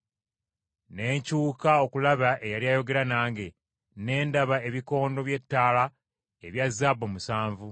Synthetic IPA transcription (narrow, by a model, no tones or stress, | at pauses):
ne̞ːɲcuːkao̞kulaβaʔe̞jaljaːjo̞ɡe̞ɾanaːŋɡe̞ | ne̞ːndaβae̞βiko̞ːndo̞βje̞tːaːla | eβjazːaːbomusaːɱvu